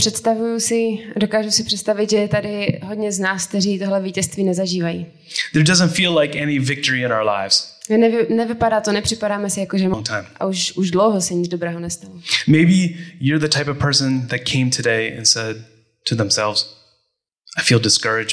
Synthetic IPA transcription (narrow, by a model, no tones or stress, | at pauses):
pr̥ɛt̪st̪avujusɪdo̞kaːʒusɪpr̥ɛt̪st̪avɪt̪ʒɛt̪adɪɦodɲɛznaːsk̚t̪ɛriːt̪oɦlɛviːcɛst̪viːnɛzaʒiːvajiː | ðə˞dʌzə̃ntfilaɪkɛnivɪk̚tə˞iɨ̃ñaʊə˞la̰ɪvz̥ɪnɛɪnɛvɪpadaːt̪onɛpr̥ɪpaɾaːmɛsɪjakoʒɛmãŋtʰãɪ̃mʔa̰uʃʔuʒdlowɦosɛɲɪdd͡zdobɾɛːɦonɛst̪alɔmeɪbijə˞ðɨtʰaɪpʌv̥pʰɜ˞sɨ̃nðɨt̚kʰẽɪ̃mtʰɨdeɪɨ̰̃nsɛd̚ | tʰɨðə̃msɛ̰lˠvz̥ | aɪfilˠdɨskɜ˞ɨd͡ʒ